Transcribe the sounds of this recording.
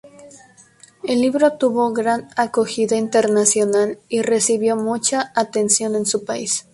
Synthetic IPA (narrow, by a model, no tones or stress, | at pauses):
e̞lːiβɾo̞t̪uβo̞ɣɾanakoxiðaint̪e̞ɾnasjo̞nalire̞siβjo̞mut͡ʃaːt̪e̞nsjo̞ne̞nsupais